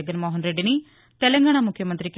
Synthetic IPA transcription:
ɡ̪ənmoːɦənɾeːɖiniː | t̪ɛlɛ̃ŋɡaːnaːmʊkʰjəmənt̪ɾiːk

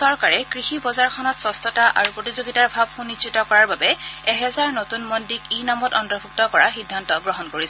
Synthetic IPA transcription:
sɔɹkaɹɛkɹixibɔzaɹkʰɔnɔtsɔstɔtaʔa̰ɹupɹotizoɡitaɹbʱab̚xunisɹitɔkɔɹaɹbabɛɛɦɛzaɹnotunmɔndikinamɔtɔntɔbʱuk̚tɔkɔɹaxidʱːantɔɡɹɔɦɔnkoɹisɛ

